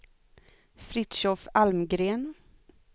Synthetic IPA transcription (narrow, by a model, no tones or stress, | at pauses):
fɾɪt̪ʃɔfalmɡɾeːn